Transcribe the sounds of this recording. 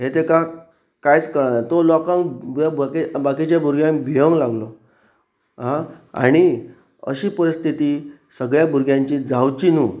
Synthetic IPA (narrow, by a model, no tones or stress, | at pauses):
ɦet̪eka | kajt͡skəɾanat̪olɔkãŋabkibakit͡ɕjabʱuɾɡjãŋbʱijəŋlaɡlo | ɦãa̰ɽ̃i | ə̰ɕiːpəɾist̪ʰit̪iː | səɡɭjabʱuɾɡjãɲt͡ɕid͡zawt͡ɕinuː